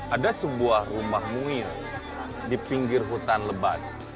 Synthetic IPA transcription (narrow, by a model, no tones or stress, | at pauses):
ʔadasəbuahrumahmu | dipiŋɡɪrɦut̪anləbat̪̚